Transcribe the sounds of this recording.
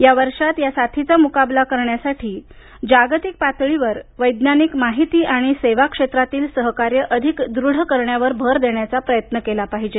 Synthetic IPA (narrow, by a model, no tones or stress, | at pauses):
jaʋəɾʂat̪jasat̪ʰit͡samukablakəɾɳjasaʈʰiː | d͡ʑaɡt̪ik̚pat̪ɭiʋəɾʋəjd̪nanikmaɦit̪iːʔaɽ̃iseʋakʂet̪ɾat̪iːlsəɦkaɾjəʔəd̪ʱikd̪ɾuɽ̤əkəɾɳjaʋəɾbʱəɾd̪eɳjat͡sapɾəjət̪nəkelapaɦid͡ʑe